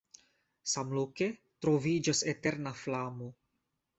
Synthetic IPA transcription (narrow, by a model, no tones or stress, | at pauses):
samloke̞ | tɾo̞vid͡ʒase̞te̞ɾnaflamo